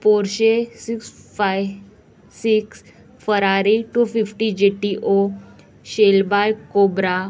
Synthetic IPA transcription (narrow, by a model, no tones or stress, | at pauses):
poɾɕesiksfaj | siks | fəɾaɾiʈufifʈid͡ʑeʈiʔo | ɕelbajkobɾa